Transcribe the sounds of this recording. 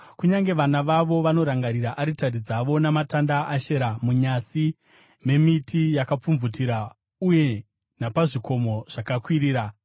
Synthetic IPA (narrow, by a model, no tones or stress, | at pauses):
kuɲaŋɡe̞ʋanaʋaʋo̞ʋano̞ɾaŋɡaɾiɾaʔaɾitaɾid͡zaʋo̞namatandaaʃeɾamuɲasi | me̞mitijakap͡fumvutiɾa | uje̞ | napaʐiko̞mo̞ʐ̥akakwiɾiːɾa